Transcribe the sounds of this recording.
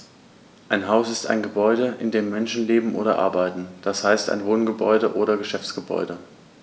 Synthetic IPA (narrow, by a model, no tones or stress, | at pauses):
ʔaɪnɦaʊsɪsta̰ɪnɡəbɔʏɾəʔɪndeːmːɛnʃn̩leːbm̩ʔo̰ːɾɐʔa̰ɐbaɪtn̩d̥ashaɪsta̰ɪnvoːnɡəbɔ̰ʏdəʔoːɾɐɡəʃɛft͡sɡ̥əbɔ̰ʏdə